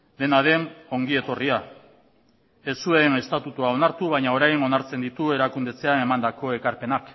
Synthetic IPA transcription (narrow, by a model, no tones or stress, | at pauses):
d̪e̞naðe̞no̞ŋɡie̞t̪o̞ria | e̞suene̞st̪at̪ut̪uao̞naɾt̪uβ̞ajɲao̞ɾajno̞naɾt͡se̞nd̪it̪ue̞ɾakund̪e̞t͡se̞ane̞mand̪ako̞e̞kaɾpe̞nak